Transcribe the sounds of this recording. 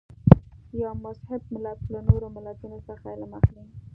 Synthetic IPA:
jɑmʊshɪbmɪlaklanoɾomɪlat̪unosəxalaməxli

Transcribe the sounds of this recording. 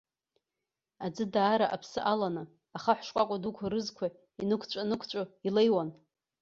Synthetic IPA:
ad͡zɨdaːɾaʔapʰsɨʔalanɨ | aχaħʷʂkʷʼakʷʼadukʷʰaɾɨzkʷʰa | inɨkʷʰt͡ɕʷʼanɨkʷʰt͡ʃʷʼʊilejwan

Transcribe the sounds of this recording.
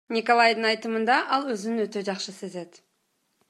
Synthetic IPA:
nʲiko̞lˠajd̪əŋɑjt̪əmənd̪ɑʔɑlˠwɵzɪnɪnwɵt̪e̞ʒɑqʃəse̞ze̞d̪ɪ̥

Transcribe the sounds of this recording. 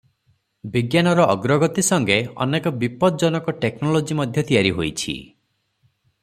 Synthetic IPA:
biɡjanɔɾɔːɡɾɔɡɔt̪isɔŋɡeɔ̰nekɔbipɔd̪ɔd͡ʒɔnɔkɔʈeknɔlod͡ʒimɔd̪ʱjɔt̪ijaɾiɦojt͡ʃʰḭ

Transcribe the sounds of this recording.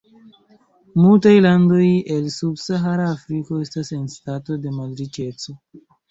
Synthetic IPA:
multajlando̞je̞lsubsaɦaɾaːfɾiko̞e̞stase̞nstato̞de̞madɾit͡ʃe̞t͡so̞

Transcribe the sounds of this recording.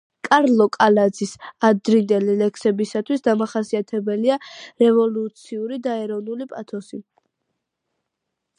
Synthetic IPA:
kʼaɾlˠɔkʼalad̪zisad̪ɾind̪ɛlilɛkʰsɛbisat̪ʰwisd̪amaχasiat̪ʰɛbɛliaɾɛvɔlut̪sʰiuɾid̪aɛɾɔvnulipʼat̪ʰɔsi

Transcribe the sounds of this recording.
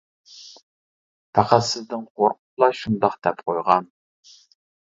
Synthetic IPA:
pʰæqæt̪sɨzd̪ɨŋqʰoɾqʊ̥lˠɑʃund̪ɑχd̪̥ɛpqʰojʁɑn

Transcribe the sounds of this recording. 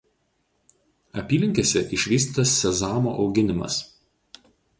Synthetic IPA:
ɐpʲiːlʲɪŋʲkʲeːsʲɛʔɪʃʲʋʲiːsʲt̪ʲiːt̪ɐsːʲɛzɑːmoʔɒʊɡʲɪnʲɪmɐ̰s

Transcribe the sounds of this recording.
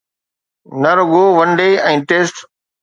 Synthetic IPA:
nɐɾʊɡoːʋɐnɖeːɛ̃ːʈeːsʈ

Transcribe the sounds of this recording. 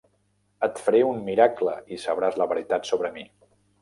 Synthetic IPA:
ət̪fəɾeummiɾakləisəβɾazləβəɾit̪at̪soβɾəmi

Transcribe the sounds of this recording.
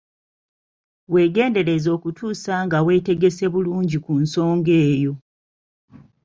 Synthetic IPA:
we̞ːɡe̞ːnde̞ɾezo̞ːkutʰuːsaŋɡawe̞ːte̞ɡe̞se̞βuluːɲɟikunso̞ːŋɡe̞ːjo̞

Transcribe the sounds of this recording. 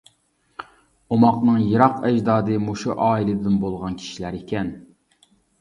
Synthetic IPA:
omɑqnɨŋjiɾɑqɛd͡ʒd̪ɑːd̪ɨmoʃuʔɑːilɨd̪d̪ɪnbolˠʁɑnkʲʰi̥ʃilæɾikʲʰɛn

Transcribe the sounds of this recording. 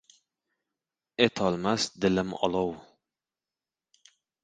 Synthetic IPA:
et̪ʰɒlˠmasd̪ɪlɪmɒ̰lˠɔw

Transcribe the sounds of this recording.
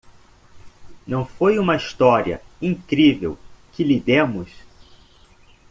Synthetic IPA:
nɐ̃w̃fojũmɐiʃt̪ɔɾiɐ̰ĩŋkɾivḛwkɪlid̪ẽmʊs

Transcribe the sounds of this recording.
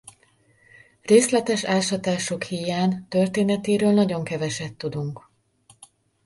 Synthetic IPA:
reːslɛt̪ɛʃaːlʃɒt̪aːʃo̞khijaːnt̪ørt̪eːnɛt̪eːɾøːlnɒɟo̞ŋkɛvɛʃɛt̪ːud̪uŋk

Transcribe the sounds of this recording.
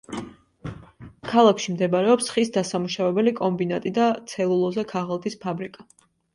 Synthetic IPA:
kʰalˠakʰʃimd̪ɛbaɾɛɔpsχisd̪asamuʃavɛbɛlikʼɔmbinat̪ʼid̪at̪sʰɛlˠulˠɔzɛkʰaʁlˠt̪ʼispʰabɾikʼa

